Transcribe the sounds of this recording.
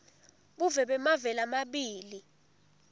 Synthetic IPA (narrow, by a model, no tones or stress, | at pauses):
ɓuvɛɓɛmavɛlamaɓiːli